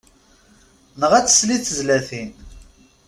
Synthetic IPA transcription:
nəʁæt͡sːsliθəzlæθin

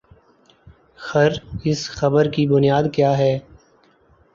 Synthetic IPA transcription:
xɐɾɪsxɐbəɾkibʊnijaːd̪kjaːɦɛː

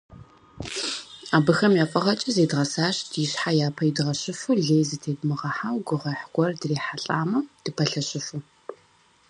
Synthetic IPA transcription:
aːbɨxɐmjaːfʼɐʁɐt͡ʃʼɐzeːdʁɐsaːʃdʰjɪɕħajaːpʰɐjidʁɐɕʼɪfuɮejzɨtʰeːdmɨʁɐħawɡʷʊʁɐħɡʷɔrdreːħaɬʼaːmɐd̥ɨpʰɐɬɐɕʼɪfu

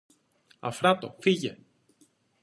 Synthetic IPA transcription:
a̰fɾat̪o̰fiʝe

